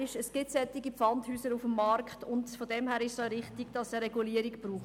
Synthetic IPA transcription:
ɪʃəsɡ̥ɪtsɛt̪ːɪɡifɑnthyːsəɾufəmːɑɾkχtʊntfodɛmhæːɾɪʃsɔɾɪχtɪɡd̥ɑsəɾɛɡuliːəɾɪkb̥ɾuːχt

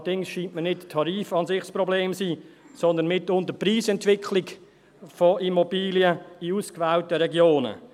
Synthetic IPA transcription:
ədɪŋsʃiːntmənɪttʰːɑɾiːfɑnsɪχsprɔbleːmsiː | sɔnd̪ənmɪtːʊntəpriːsɛntʋɪkʰlɪk | foʔimobiːliəiuːskvæltəɾɛɡjoːnə̰

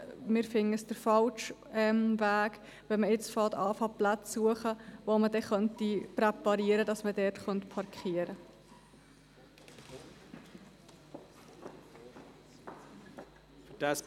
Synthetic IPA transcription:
mɪɾfɪŋːəsd̥əɾfɑlʃ | ɛmvæːk | ʋɛməɪt͡sfɑːtɑːfɑplat͡sːuəχəʋomədɛχœntipɾɛpɑɾiəɾədɑsmədɛɾtχœntpʰɑɾkʰχiəɾə | fd̥as

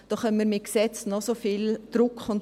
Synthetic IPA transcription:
d̥ɔχɛnmiːmɪksɛt͡snɔsofiːld̥ɾʊkχʊn

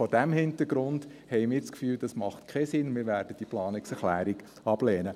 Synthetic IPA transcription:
fɔdæmhɪntəɾɡ̥ɾʊndhɛɪmɪːt͡skfyːld̥ɑsmɑχtkʰɛsɪnmɪːɾʋæːɾd̥əd̥iəplɑːnɪksɛχlæːɾiɡ̥ | ɑb̥lɛːnə

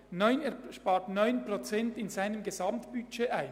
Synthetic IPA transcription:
nɔʏneːʃpɑːɹtnɔʏnprot͡sɛntɪnzaɪnəmɡezɑmtb̥yt͡ʃeːʔaɪn

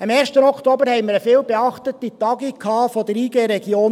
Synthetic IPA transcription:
ɑmɛːɾʃtənɔktobəɾhɛɪməɾəfɪːlbeɑχtətitɑɡikʰːɑːfodəɾiːɡeːɾɛɡjoːn

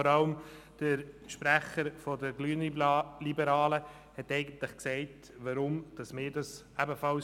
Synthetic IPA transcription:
ɔɾɑləm | d̥əɾʃpɾæχəɾfɔdəɾɡlyːənlibəɾɑːlə | hɛtɛɪɡənt̪lɪχksɛɪt | ʋɑɾʊmd̥ɑsmɪːɾdɑs | æbəfɑl

